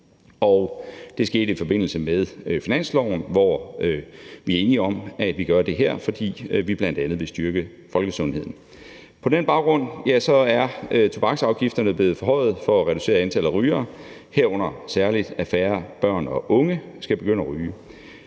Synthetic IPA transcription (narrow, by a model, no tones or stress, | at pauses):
ɒʊd̥e̝sɡ̥e̝̰ːdɾəifɒ̽b̥e̝n̰l̩səmeðˠfinæn̰slɒʊ̰n̩ʋɒøʋiæɐe̝ːniɒ̽mæ̥ʋiɡ̥ɶɐd̥e̝ɦæɐ̰fɒ̽d̥ḭːʋib̥lænd̥ænð̩ˠʋe̝sd̥yɐɡ̥ə | fɒ̽lɡ̥əsɔ̽nhe̝ð̰ˠn̩ | pʰɒ̽denb̥ɑ̈ʊɡ̥ʁɔ̽n̰jæsɒ̽æɐøt͡sʰob̥ɑ̈ɡ̥sɑ̈ʊɡ̥ifd̥ɐnəb̥le̝ːð̩ˠfɒ̽ɦɒ̽ɪð̩ˠfɒ̽æʁɛɾ̥use̝̰ːɐænt͡sʰælðˠʁyːɐː | heɐ̰ɔ̽n̰ɐsæɐlid̥æfæːɐb̥ɶɐ̰nɒ̽ʔɔ̽ŋə | sɡ̥æb̥e̝ɡ̥øn̰əæʁyː